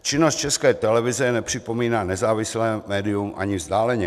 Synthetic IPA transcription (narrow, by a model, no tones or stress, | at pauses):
t͡ʃɪnost̪̚t͡ʃɛskɛːt̪ɛlɛvɪzɛnɛpr̥ɪpo̞miːnaːnɛzaːvɪslɛːmɛːdɪumʔa̰ɲɪvzd̪aːlɛɲɛ